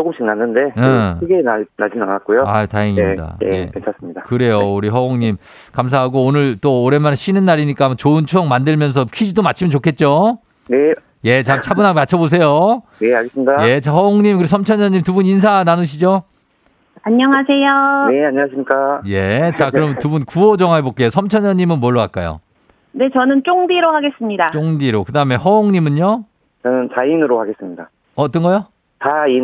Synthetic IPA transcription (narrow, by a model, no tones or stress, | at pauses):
t͡ɕokɯmɕʰiŋnanːɯnde̞ɯɡenanad͡ʑinanat̚k͈ojoataeŋimda̰jekent͡ɕʰas͈ɯmɲidakɯɾe̞jouɾiɦʌoŋɲim | kams̬ʰaɦaɡoːnɯɭt͈oːɾe̞maneɕ͈ʰinɯnːaɾiɲik͈amat͡ɕoɯnt͡ɕʰuʌŋmandɯɭmjʌns̬ʰʌkʰid͡ʑidomat͡ɕʰimɯnt͡ɕokʰe̞t̚t͡ɕ͈o | ne | je̞t͡ɕamt͡ɕʰabunɦaɡemat͡ɕʰʌbos̬ʰe̞jojeaɭɡes͈ɯmɲidaje̞t͡ɕahʌoŋɲimkɯɾisʰʌmt͡ɕʰʌɲʌɲimtubunins̬ʰananɯɕʰid͡ʑo | aɲːʌŋasʰe̞jone̞aɲːʌŋaɕ̬ʰimɲik͈aje̞̰t͡ɕakɯɾʌmntubunkuʌd͡ʑʌŋaebok͈eosʰʌmt͡ɕʰʌɲʌɲimɯnmwʌɭːoɡa̰t̚k͈a̰jo̰ | ne̞t͡ɕʌnɯnt͡ɕ͈oŋdiɾohaɡe̞s͈ɯmɲidat͡ɕ͈oŋdiɾokɯdaɯme̞hʌoŋɲimɯɲo | t͡ɕʌnɯnt͡ɕainɯɾohaɡe̞s͈ɯmɲida̰ | ʌt͈ʌnɡʌjo | tai